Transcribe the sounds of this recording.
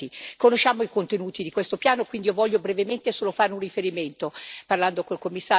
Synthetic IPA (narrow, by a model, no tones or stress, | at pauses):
ikonoʃːaːmoikont̪enuːt̪id̪ikwest̪opjaːnokwind̪iovɔʎːobɾevement̪esoːlofaːɾeunrifeɾiment̪oparland̪okolkomːisːa